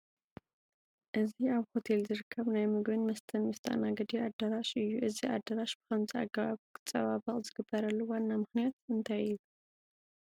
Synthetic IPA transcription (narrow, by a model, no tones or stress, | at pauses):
ʔɨziaβho̞t̪ʰe̞lzɨɾɨkʰːɐβnajmɨɡβɨnmɐst̪ʰɐnmɐst̪ʰɐ̰ʔnaɡɐd̪iad̪ːɐɾaʃɨjːuʔɨziʔa̰d̪ɐɾaʃb̥ɨ̥kʰɐmzʰia̰ɡɐβaβkʰɨ̥t͡sʼɐβaβɐχʼzɨɡɨbːɐɾɐlːuwanːamɨxnijat̪ɨnt̪ʰajɨju